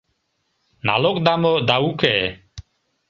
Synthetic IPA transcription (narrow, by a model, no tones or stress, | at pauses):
na̰ːlokd̪amod̪aːukeː